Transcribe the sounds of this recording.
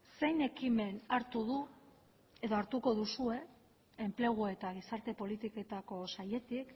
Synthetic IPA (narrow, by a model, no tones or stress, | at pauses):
se̞jne̞kime̞naɾt̪uðu | e̞ðo̞aɾt̪uko̞ðusue̞ː | mple̞ɣ̞ue̞t̪aɣ̞isaɾt̪e̞po̞lit̪ike̞t̪ako̞saje̞t̪ik